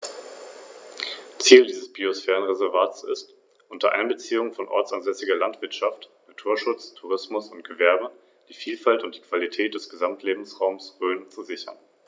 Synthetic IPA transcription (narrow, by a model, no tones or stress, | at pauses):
t͡siːldiːzəsb̥iosfɛːʁ̞ənʁezɛɐvaːtsɪ̰st | ʔʊntɐʔa̰ɪnbət͡siːʊŋəfɔnʔɔ̰ɐt͡sanzɛsɪɡɐlantv̥ɪɐtʃaftnatʰuːɐʃʊt͡stʰuʁ̞ɪsmʊsʊnt̚ɡ̥əvɛɐbə | d̥iːfiːlfaltʊntd̥iːkv̥alitʰɛːt̚d̥ɛsɡ̥əzamtʰleːbm̩sʁaʊmsʁøːnt͡suzɪçɐ̰n